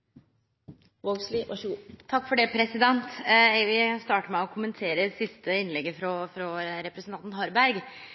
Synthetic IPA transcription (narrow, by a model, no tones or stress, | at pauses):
ʋoɡsliʋʔɑ̰ʂːt̪ʰɑkːfɔɖɛːpʰɾɛsɪd̪ɛnt̪ɛʋɪst̪ɑːʈəɾmɛɔkʰʊmənt̪ʰeːɾəsɪst̪əɪnlɛɡəfɾɔfɾɔɾɛpɾəsn̩t̪ɑnt̪nɦɑɾbæɾɡ